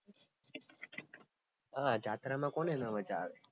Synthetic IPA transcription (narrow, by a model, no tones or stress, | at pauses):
ad͡ʒʱat̪ɾamãkonenə̃ʋət͡ʃaːʋe